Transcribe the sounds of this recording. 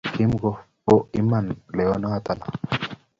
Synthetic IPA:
ki˦mɡo˨po˦i˦ma˨nle˨wa˦no˦a˨t̪a˨la̰˨

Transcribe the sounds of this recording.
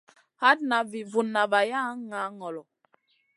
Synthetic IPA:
ha˦tna˨vi˨vu˨nːa˨va˨ja˦ŋa˨˦ŋɔ˨lɔ˨

